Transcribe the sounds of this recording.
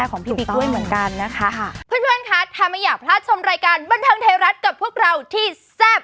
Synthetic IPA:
ɛ˥˩kʰɔː˩˦ŋpʰiː˥˧˩piː˨˩du˥˩əjmɯ˩˦ənka˧nːa˦˥kʰa˦˥pʰɯː˧˥˩npʰɯ˥˩ənkʰa˦˥t̪ʰaː˧˩ma˥˧˩jaː˨˩k̚pʰlaː˥˩t̪̚t͡ɕʰo˧mɾaː˧jkaː˧nba˧nt̪ʰɤː˧ŋt̪ʰeː˧ɾa˦˥t̪̚ka˨˩p̚ʰːu˥˩ək̚ɾa˧wt̪ʰiː˥˩ | sɛː˥˩p̚

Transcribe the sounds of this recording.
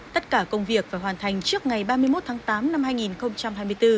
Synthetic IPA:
t̪ə˦˥t̚kaː˧˩kə˧wŋ͡mvi˨˩ək̚vaː˨˩ɦwaː˨˩nt̪ʰa˨˩jŋ̟t͡ɕɨ˦˥ək̚ŋa˨˩jɓaː˧mɨ˧əjmo˦˥t̚t̪ʰaː˨˦ŋt̪aː˨˦mna˧mhaː˧jŋi˨˩nxə˧wŋ͡mt͡ɕa˧mhaː˧jmɨ˧əjt̪ɨ˧

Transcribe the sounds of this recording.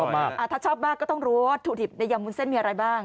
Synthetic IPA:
ɔ˥˩maː˥˩kʔa˧˩t̪ʰaː˥˩t͡ɕʰɔː˥˩p̚maː˥˩kːɔː˥˩t̪ɔ˥˩ŋɾuː˦˥o˥˩t̪ʰːu˨˩di˨˩na˧jaː˧˩mu˧nse˥˩nmi˧ʔa˧ɾa˧jbaː˥˩ŋ

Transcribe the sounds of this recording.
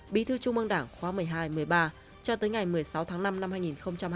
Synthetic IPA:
ɓi˨˦t̪ʰɨ˧t͡ɕʊ˧ŋ͡mʔə˧ŋɗaː˧˩ŋxwaː˨˦mɨ˨˩əjɦaː˧jmɨ˨˩əjɓaː˧ | t͡ɕɔ˧t̪əː˨˦jŋa˨˩jmɨ˨˩əjsa˨˦wt̪ʰaː˨˦ŋna˧mna˧mhaː˧jŋi˨˩nxə˧wŋ͡mt͡ɕa˧m

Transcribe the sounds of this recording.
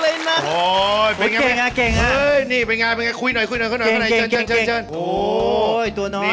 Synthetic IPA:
ləː˧na˦˥˩ʔo˨˧pːŋaː˧e˨˧ŋna˦˧˥ke˨˩ŋa˧˦˥ə˦˧˥jniː˥˩pe˧nŋaː˧pe˧nŋaː˧kʰu˧jn˨˩jkʰu˧jnɔ˨˩kʰɔ˥n˨˩jʰna˧˦ket͡ɕʰɤː˧˩nt͡ɕʰəː˧˩t͡ɕʰə˧e˧˩ŋt͡ɕʰɤː˧˩nʔoː˨˦˩jt̪u˧ɐnɔː˧˩

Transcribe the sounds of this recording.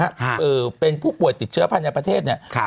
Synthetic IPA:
a˦˥ʔɤː˨˩pe˧npʰuː˥˩pu˨˩əjt̪i˨˩t̪̚t͡ɕʰɯ˦˥ɐpʰa˧nja˧pɾa˧t̪ʰeː˥˩t̪̚ni˥˩ɐ˦

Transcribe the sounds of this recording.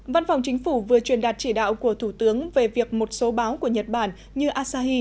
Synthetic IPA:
va˧nfa˨˩wŋ͡mt͡ɕï˨˦ŋ̟fu˧˩vɨ˨˩ət͡ɕwi˨˩ənɗaː˨˩t̚t͡ɕi˧˩ɗa̰ː˧˨wku˧˩ət̪ʰu˧˩t̪ɨ˨˦əŋve˨˩vi˨˩ək̚mo˨˩t̚so˨˦ɓaː˨˦wku˧˩əɲə˨˩t̚ɓaː˧˩n | ɲɨ˧ʔaː˧saː˧ɦi˧

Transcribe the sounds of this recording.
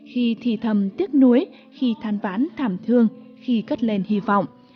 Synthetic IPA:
xi˧t̪ʰi˧˩t̪ʰə˨˩mt̪i˦˥ət̚nu˨˦əj | xi˧t̪ʰaː˧nfaː˨˦nt̪ʰaː˧˩mt̪ʰɨ˧əŋxi˧kə˦˥t̚le˧nhi˧vɔ̰˧˨wŋ͡m

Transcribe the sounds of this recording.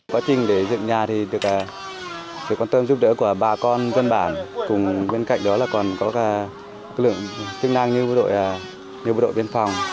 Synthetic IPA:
kwaː˨˦t͡ɕï˨˩ŋ̟ɗe˧˩zɨ̰˧˨ŋɲaː˨˩t̪ʰi˨˩ɗɨ˨˩ək̚aː˨˩ | sɨ̰˨kwaː˧nt̪ə˧mzu˦˥p̚ɗə̰˧˥əku˧˩əɓaː˨˩kɔ˧nzə˧nɓaː˧˩nkʊ˨˩ŋ͡mɓe˧nka̰˧˨jŋ̟ɗɔ˨˦laː˨˩kɔ˨˩nkɔ˨˦kaː˧˩˧ | lɨ̰˧˨əŋt͡ɕɨ˦ək̚na˧ŋɲɨ˧ə˧˥ɗo̰˧˨j | ɲ̚ː˧˥ɗo̰˧˨ɓi˧ənfɔ˨˩wŋ͡m

